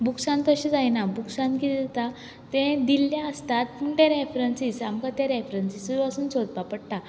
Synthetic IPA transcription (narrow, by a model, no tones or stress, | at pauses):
buksãnt̪əɕid͡zajnabuksãnkid̪ɛt̪a | t̪ẽd̪ilːjaəst̪at̪̚puɳʈẽɾefɾənsisamkat̪eɾefɾənsisuasuːnt͡sʰot̪̚papəɽʈa